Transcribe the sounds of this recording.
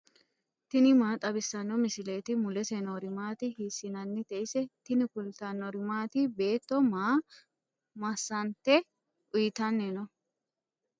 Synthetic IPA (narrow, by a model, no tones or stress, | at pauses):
t̪ɪnɪmaːt̪ʼɐbɪsːɐnːɔmɪsɪle̞ːt̪ɪmʊlɛsɛnɔɾɪmaːt̪ɪhisːɪnɐnːɛt̪ɛʔɪsɛt̪ɪnɪkʊlt̪ɐnːɔɾɪmaːt̪ɪbe̞ːt̪ːɔmaː | mɐsːɐnt̪ɛ | ʔʊjɪt̪ɐnːɛnɔ